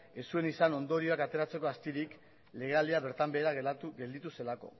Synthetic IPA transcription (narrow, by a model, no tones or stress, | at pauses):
e̞sue̞nisano̞nd̪o̞ɾio̞akat̪e̞ɾat͡se̞ko̞ast̪iɾik | le̞ɣeald̪iaβe̞ɾt̪ambe̞ːɾaɡe̞ld̪it̪use̞lako̞̰